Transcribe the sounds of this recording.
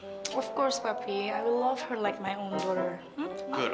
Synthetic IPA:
ʌv̥kɔɹspapʰiaɪwlʌv̥hə˞laɪk̚maɪõʊ̃ndɔɾə˞ | m̩ɡʊ

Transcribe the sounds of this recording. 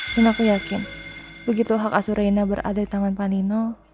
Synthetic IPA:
inakujakɪn | bəɡit̪uɦakasuɾʔainabəɾa̰dadit̪amanpanino

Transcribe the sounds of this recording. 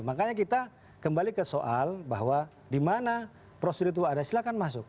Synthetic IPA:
makaɲak̬it̪a | kəmbalikəsoʔalba̰ɦwa | dimana | pɾosidit̪̬uadasilakanmasʊk̚

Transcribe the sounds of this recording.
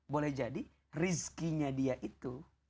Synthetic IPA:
bolɛhd͡ʒadi | riskiɲadiaʔit̪u

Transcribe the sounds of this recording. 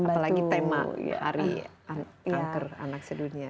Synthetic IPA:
apalaɡɡit̪ema̰ja̰ha̰ɾḭ | anaŋkəra̰nak̚sədunia

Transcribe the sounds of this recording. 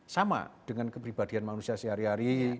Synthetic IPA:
sama̰d̥əŋankəpɾib̥ad̥i̤anmanusiasiɦaɾiaɾi

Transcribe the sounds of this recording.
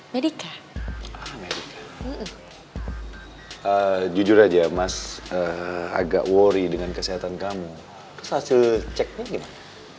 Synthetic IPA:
medika | amedikḁm̩m̩ | əd͡ʒud͡ʒʊɾad͡ʒamasəa̰ɡa̰ʔwoɾidəŋankəsiɦat̪ankamu | t̪ʊshasɪlt͡ʃɛk̚ɲaɡimana

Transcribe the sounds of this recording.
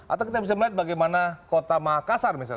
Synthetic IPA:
ʔa̰t̪awkit̪abisaməliat̪̚baɡajmanakot̪amakasarmisa̰l

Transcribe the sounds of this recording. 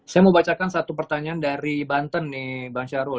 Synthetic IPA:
sajaməmbat͡ʃakansat̪upərt̪aɲaandaɾibant̪ənːɪbaŋt͡ʃaɾu

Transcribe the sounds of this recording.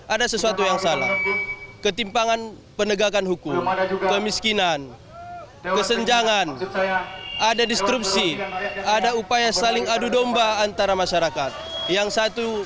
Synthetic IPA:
ʔadasəsuat̪ujaŋsala̰hkət̪impaŋan | pənəɡakanɦukʊmkəmiskinan | kəsəɲd͡ʒaŋan | ʔadadist̪ɾup̚siadaupajasalɪŋadudɔmbaːnt̪aɾamaʃaɾakat̪̚jaŋsat̪u

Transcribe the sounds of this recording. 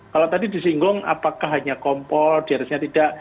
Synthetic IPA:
kalat̪adidisiŋɡʊŋʔa̰pakaɦaɲakɔmpɔrd̥iaɾɪsɲat̪id̥aʔ

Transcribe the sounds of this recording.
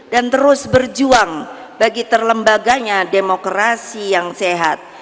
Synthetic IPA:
dant̪əɾʊsbərd͡ʒuaŋ | baɡit̪ərləmbaɡaɲademokɾasijaŋseɦat̪̚

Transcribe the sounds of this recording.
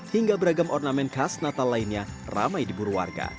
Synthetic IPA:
hiŋɡabəɾaɡamɔrnamɛnkasnat̪alaɪnɲara̰majdibuɾuwa̰rɡa̰

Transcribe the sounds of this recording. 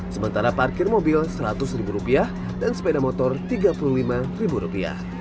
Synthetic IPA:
səmənt̪aɾaparkɪrmobɪlsəɾat̪ʊsribuɾupiah | dansə̥pedamot̪ɔrt̪iɡapululimaribuɾupia̰h

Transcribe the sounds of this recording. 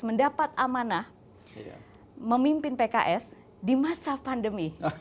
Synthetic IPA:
məndapat̪̚amana | məmimpɪnpeka̰ʔɛs | dimasapandəmi

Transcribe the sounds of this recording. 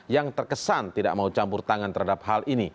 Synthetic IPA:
jaŋt̪ərkəsant̪ida̰ʔmaut͡ʃampʊrt̪aŋant̪ərhadap̚ɦalʔini

